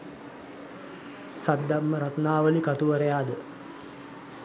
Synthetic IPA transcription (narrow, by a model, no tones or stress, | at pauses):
sad̪ːamːəɾat̪naːʋəlikat̪uʋəɾəjaːd̪ə